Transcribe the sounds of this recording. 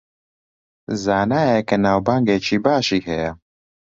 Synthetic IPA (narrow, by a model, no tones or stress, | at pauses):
zaːnaːjɛkʰɐnaːwbaːŋɡeːt͡ʃʰiːbaːʃiːhɛjɛ